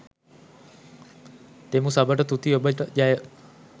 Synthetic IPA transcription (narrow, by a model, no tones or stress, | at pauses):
t̪emusabəʈət̪ut̪iobəʈəd͡ʒajə